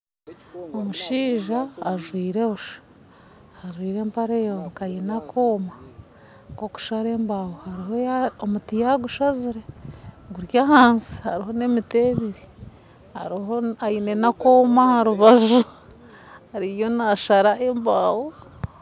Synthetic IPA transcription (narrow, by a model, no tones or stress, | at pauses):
omuʃiːʒaːʒwiːɾeβuʃḁː | ʒwiːɾe̞ːmpaɾejoːnukajenakʰoːma | koku̥ʃaɾe̞ːmbawohaɾiɦojaomutijaɡuʃaziɾeɡuɾjahaːnsi̥haɾiɦo̞ne̞miteːβiɾi | ha̰ɾiɦoaine̞nakoːmahaɾuβaʒu | haɾijo̞naʃaɾaʔembaːwo